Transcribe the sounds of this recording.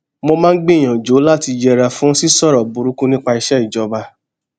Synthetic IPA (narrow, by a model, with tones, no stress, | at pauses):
mõ˧mãː˦˧n̩˦ɡ͡be˦i˨j̃ã˨d͡ʒo˨˦la˦˨ti˧d͡ʒɛ˧ɾa˧fũ˨˦si˦sɔ˦˨ɾɔ˨bu˧ɾu˦kũ˦nĩ˦k͡pa˧i˧ʃɛ˦i˦˨d͡ʒɔ˨˦ba˧